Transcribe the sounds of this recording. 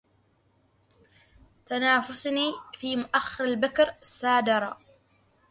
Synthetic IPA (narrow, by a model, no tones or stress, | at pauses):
t̪anaːfʊsniːfiːmʊʔaxːɪɾalbakɾasːaːd̪ɑɾˤɑ